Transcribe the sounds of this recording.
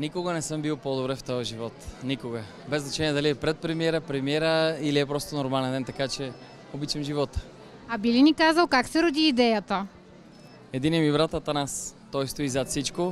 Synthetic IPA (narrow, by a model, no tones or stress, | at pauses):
nikoɡənɛsɤmbilˠpod̪obɾɛft̪ɔjəʒivɔt̪nikoɡə | bɛznɐt͡ʃɛniɛd̪ɐliɛpɾɛt̪̚pɾɛmiɛɾəpɾɛmiɛɾəiliɛpɾɔst̪onoɾmalɛnd̪ɛnt̪ɐkat͡ʃɛ | obit͡ʃɛmʒivɔt̪ə̥ | ɐbilinikazəlˠkaksɛɾod̪iːd̪ɛjət̪ə | ɛd̪inɛmibɾat̪ət̪ɐnast̪ɔjst̪oizat̪sit͡ʃko